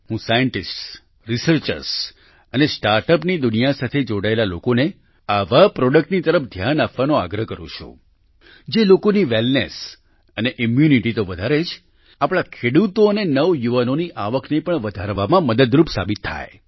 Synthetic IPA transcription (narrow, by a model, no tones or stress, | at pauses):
ɦũsajəɳʈisʈs | ɾisəɾt͡ʃə̰ɾs | ənesʈaɾʈəpnid̪unijasat̪ʰed͡ʒoɽaelalo̰kone | aʋapɾɔɽək̚ʈnit̪əɾəpd̪ʱjanapʋanoa̰ɡɾəkəɾṵ̃t͡ʃʰṵ̃ | d͡ʒelokoniʋelnes | əneʔimjuniʈit̪oʋəd̪ʱaɾed͡ʒʰ | apɭ̃akʰeɽut̪oənenəʋjuʋənoniʔaʋəkʰnepəɳʋəd̪ʱaɾʋamãməd̪əd̪ɾupsa̰bit̪ʰːa̰j